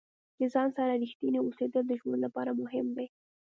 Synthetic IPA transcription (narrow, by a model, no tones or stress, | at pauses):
d̪əzɑnsaɾaɾixt̪ineosed̪əld̪əʒwənlapɑɾamʊɦɪmd̪e